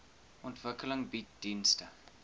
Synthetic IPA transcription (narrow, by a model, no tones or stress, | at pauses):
ʔɔntvəkələŋbit̚d̥instə